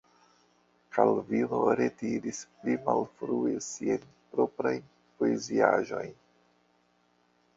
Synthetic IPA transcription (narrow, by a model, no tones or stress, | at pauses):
kʰalvino̞ɾetiɾisplimalfɾuesiajn | pɾo̞pɾaj | poeziaʒo̞jn